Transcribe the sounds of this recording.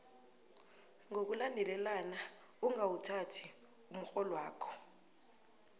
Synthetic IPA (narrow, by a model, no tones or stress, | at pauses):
ŋʱok̬ulandʱɛlɛlana | uŋawutʰatʰi | um̩xɔlwaːkʰɔ̥